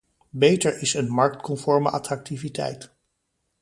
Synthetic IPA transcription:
bejtəɹɪsənmɑɹk̚tkɔnfɔɹmə̰ʔɑ̰trɑk̚tivitɛ̰jt

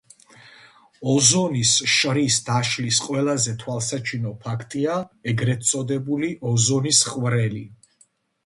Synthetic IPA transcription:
ɔzɔnisʃɾisd̪̥aʃlisqʼwɛlazɛt̪ʰwalˠsat͡ʃʰinɔpʰakʰt̪ʼiaɛɡɾɛt̪sʼɔd̪ɛbuliʔɔzɔnisχvɾɛli

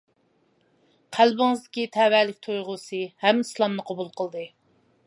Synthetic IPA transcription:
qʰælbɪŋɨzd̪ɪkʲit̪ʰɛwælɪk̚ʲt̪ʰojʁʊsɨhɛmislˠɑmnɨqʰɑbulˠqʰəlˠd̪ɨ

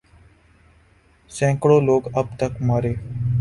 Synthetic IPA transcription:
sɛ̃ːŋkɽoːloːɡəb̚t̪əkmaːɾeː

